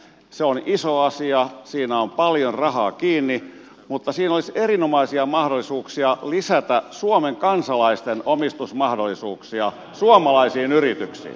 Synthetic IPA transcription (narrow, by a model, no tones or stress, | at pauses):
seonisoɑsiɑsiːnæompɑljorrɑhɑːkiːnːi | mut̪ːɑsiːnoliserinomɑisiɑmɑhdolːˑisuːksiɑlisæt̪æsuomeŋkɑnsɑlɑist̪enomist̪usmɑhdolːˑisuːksiɑ | suomɑlɑisiːnyrit̪yksḭː